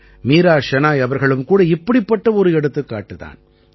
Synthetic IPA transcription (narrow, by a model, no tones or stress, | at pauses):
miːɾaːʂɐnaːjɐʋɐɾɣɐɭɯmkuːɽɐɪpːɐɽɪpːɐʈːɐɔɾɯɛɽɯt̪ːɯkːa̰ːʈːɯða̰ːn